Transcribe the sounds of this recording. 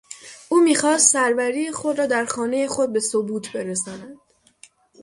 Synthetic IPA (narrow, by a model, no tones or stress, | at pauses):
ʔuːmiːxɒːst̪sæɾvæɾiːjexod̪ɾɒːd̪æɾxɒːne̞je̞xo̞d̪̚be̞sobuːt̪ʰbe̞ɾesɒːnæd̪̥